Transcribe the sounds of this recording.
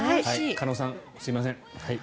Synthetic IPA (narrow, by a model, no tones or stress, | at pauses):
aakʰanoːsãŋ | sɨimas̬ẽŋhai